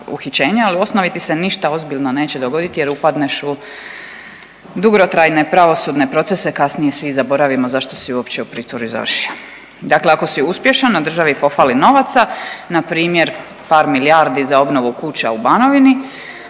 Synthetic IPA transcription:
ṵxit͡ɕe̞ːɲealio̞snoʋit̪iseniʃt̪ao̞zbilʲno̞ne̞ːt͡ɕed̪o̞ɡo̞d̪it̪ije̞ɾupad̪neʃu | d̪uɡɾo̞t̪ɾajne̞pɾaʋo̞sud̪ne̞pɾo̞t̪se̞se̞kasnije̞sʋizabo̞ɾaʋimozaʃt̪o̞siuo̞pt͡ɕeupɾiːt̪ʋoɾuza̰ʋərʃio | d̪akleako̞siuspje̞ʃanːad̪r̩ʒaʋipo̞falino̞ʋat̪sanapɾiːmje̞ɾ | paːɾmiljaɾd̪izao̞bno̞ʋukut͡ɕaubano̞ʋini

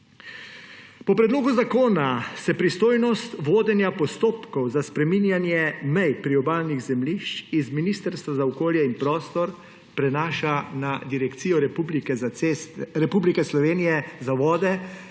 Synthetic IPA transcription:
pɔpɾɛd̪loːɡuzakoːnasɛpɾist̪oːjnɔst̪ʋoːd̪ɛnjapɔst̪oːpkɔwzaspɾɛminjanjɛmɛjpɾiɔbaːlniɣzɛmliʃt͡ʃizminiːst̪əɾst̪ʋazaɔkoːljɛinpɾɔːst̪ɔɾ | pɾɛnaːʃanad̪iɾɛkt̪siːjɔɾɛublikɛest̪ɾɛpublikɛslɔʋeːnijɛzaʋɔːd̪ɛ

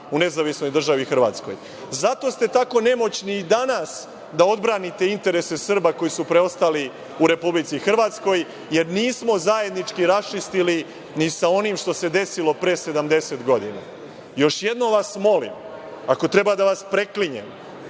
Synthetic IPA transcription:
une̞zaʋisno̞jd̪r̩ʒaʋixr̩ʋa̰ːt̪sko̞̰j | zat̪o̞st̪e̞t̪ako̞ne̞mo̞t͡ɕnid̪anas | d̪ao̞d̪bɾaːnit̪e̞int̪e̞ɾe̞se̞sr̩bako̞jisupɾe̞o̞st̪ali | uɾe̞publit̪sixr̩ʋaːt̪sko̞j | je̞ɾniːsmo̞zaje̞d̪nit͡ʃkiɾast͡ʃist̪ili | nisao̞nimʃt̪o̞se̞d̪e̞silo̞pɾe̞ːse̞d̪amd̪e̞set̪ɡo̞d̪ina̰ | jo̞ʃje̞d̪no̞mʋasmo̞lḭm | ako̞t̪ɾe̞bad̪aʋaspɾe̞kliɲḛm

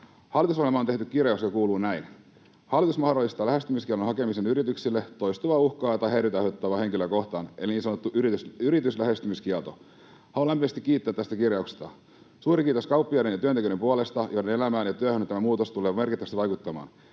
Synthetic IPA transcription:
hɑlːˑit̪usohelmɑoneht̪ykkirjɑukst̪ɑkuːluːnæin | hɑlːˑit̪usmɑhdolːˑist̪ɑlæhest̪ymiskiɛlonhɑke̞misenyɾit̪yksilːet̪ojst̪uʋɑːuhkɑːt̪ɑɦeiɾyt̪ɑhøt̪ːɑʋɑhe̞ŋkiløko̞ht̪ɑ̰ːne̞liniːnsɑnot̪ːuʔyɾisyɾit̪yslæhest̪ymiskiɛlt̪o̰ | hɑlolæmpimæst̪ikːiːt̪ːæt̪t̪ːæst̪ækirjɑukst̪ɑ̰ | suːɾikiːt̪o̞skɑuwpːiɑjdenjɑt̪yønt̪ekynempuolest̪ɑjodene̞læmæːnjɑt̪yøhønot̪æmæmuːt̪ost̪uleːme̞rkit̪ːʋæst̪iʋɑjkut̪ːɑmɑ̰ːn

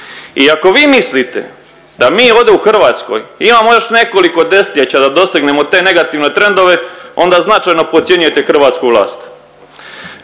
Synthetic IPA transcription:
iako̞ʋiːmislit̪e̞̰ | d̪̥amiːo̞ʋd̪e̞uxr̩ʋaːt̪sko̰jimamo̞jo̞ʃne̞ko̞liko̞d̪e̞st̪ʲʎet͡ɕad̪ad̪o̞seɡne̞mo̞t̪e̞ne̞ɡat̪iʋne̞t̪ɾe̞nd̪o̞ʋe̞o̞nd̪aznat͡ʃajno̞pot̪sjeɲujet̪e̞xr̩ʋaːt̪skuʋlˠa̰ːst̪

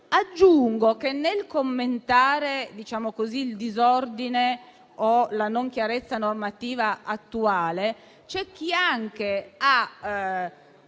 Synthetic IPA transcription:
ad͡ʒːuŋɡok̟enːelkomːent̪aːɾed̪it͡ʃaːmokoziːld̪izɔrd̪ine | olanoŋk̟jaɾet̪sːanormat̪iːvaat̪ːuaːle | t͡ʃɛk̟ːiaŋk̟ea

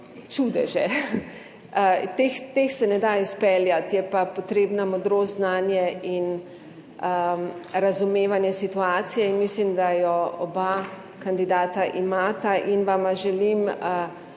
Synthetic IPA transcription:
t͡ʃud̪ɛʒɛ | t̪ext̪exsɛnɛd̪aispɛljat̪jɛpapot̪ɾeːbnamɔd̪ɾoːznaːnjɛin | əɾazumeːʋanjɛsit̪uaːt̪sijɛinmislimd̪ajɔɔba | kand̪id̪aːt̪aʔimaːt̪aʔinʋamaʒɛlimə

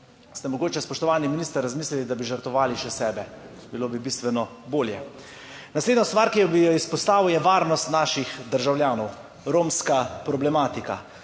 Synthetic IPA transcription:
st̪ɛmɔɡoːt͡ʃɛspɔʃt̪ɔʋaːniminiːst̪aɾɾazmiːslilid̪abiʒəɾt̪ʋɔʋaːliʃɛsɛːbɛ | biloːbibiːst̪ʋɛnɔ | boːljɛ | nasleːd̪nɔst̪ʋaːɾkijɔbijɔispɔst̪aːʋujɛʋaːɾnɔst̪naːʃixd̪əɾʒawljaːnɔw | ɾoːmskapɾɔblɛmaːt̪ika̰

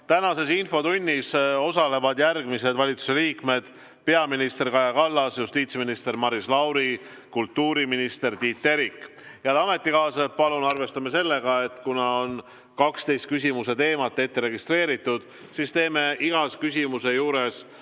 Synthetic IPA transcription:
t̪ænɑse̞sinfo̞t̪unʲːiso̞sɑle̞vɑd̪jærɡ̥mise̞d̪vɑlʲit̪su̥se̞liːkme̞d̪̥ | pe̞ɑminist̪e̞rkɑjɑkɑlːɑsjust̪iːt̪sminist̪e̞rmɑɾislɑwɾi | kult̪ːuːɾiminist̪e̞rt̪iːt̪ːe̞ɾikˑ | jɑlɑme̞t̪ːˑikɑːsepɑlunɑrve̞st̪ɑmese̞lːe̞ɡ̥ɑe̞t̪ːˑkunɑon | kɑkst̪e̞jst̪̚kysʲimuse̞t̪e̞ːmɑt̪ˑːe̞t̪ːeɾe̞ɡist̪re̞ːɾit̪ːˑud̪̥ | sist̪e̞ːme̞ʔiɡ̥ɑskysʲimuse̞juːɾe̞s

